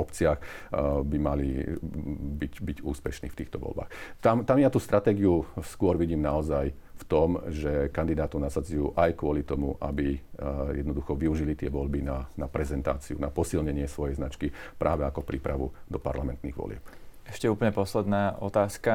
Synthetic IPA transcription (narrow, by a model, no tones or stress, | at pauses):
ɔpt͡siaɣbimali | bicbiɟuːspɛʃniːft̪iːxt̪ɔʋɔ̰lba̰ːxt̪amt̪amjat̪uːst̪ɾʔat̪ɛːɡiuskʊɔɾʋiɟiːmnaɔzajft̪ɔmʒɛkand̪id̪aːt̪ɔʊnasad͡zujṵːʔajkʊɔlit̪ɔmuʔa̰bijɛ̰d̪nɔd̪uxɔʋiuʒilit̪ɪɛʋɔʎbinanapɾɛzɛnt̪a̰ːt͡siunapɔsilɲɛɲɪɛsʋɔjɛjznat͡ʃkipɾʔaːʋɛakɔpɾʔiːpɾaʋud̪ɔpa̰ɾlamɛnt̪niɣʋɔ̰lɪɛ̰pɛʃcɛuːpəɲɛpɔslɛd̪naːɔt̪aːska